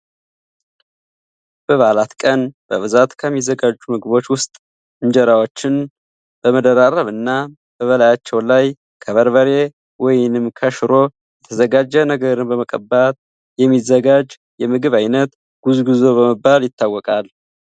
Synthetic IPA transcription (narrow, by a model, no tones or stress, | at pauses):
b̥əβalat̪kʼənb̥əβɨzat̪kʰəmːizəɡad͡ʒːumɨɡɨβo̞t͡ʃːwʊst̪ʼ | ɨɲd͡ʒɛɾawot͡ʃːɪn | b̥əməd̪əɾaɾəβɨnːa | b̥əβəlajat͡ʃːɛwlaj | kʰəβəɾβəɾe̞ | wɔjnɨmkʰəʃɾo̞ | jɛt̪ʰəzəɡad͡ʒːənəɡəɾɨnbəməkʼəbat̪ | jɛmːizːəɡad͡ʒ | jɛmɨɡɨβajnət̪ | ɡ̥uzɡɨzo̞βəməbːaljɪt̪ʰːawːɔkʼal